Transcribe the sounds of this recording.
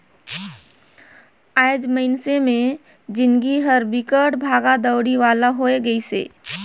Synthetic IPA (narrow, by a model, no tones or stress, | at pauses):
aːd͡ʒməɪnsemẽ | d͡ʒɪnɡiɦəɾbɪkəʈbʱaːɡad̪əʊɽiʋaːlaɦoeɡəisḛː